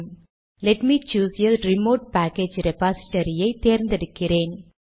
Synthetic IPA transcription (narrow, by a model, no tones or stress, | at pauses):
lɛʈmiːt͡ʃuːsjɐlɾɪmoːʈ̚pæːkeːd͡ʒɾɛpaːsɪ̥ʈɐɾɪjɐɪt̪eːɾnd̪ɛɽɯkːɪɾeːn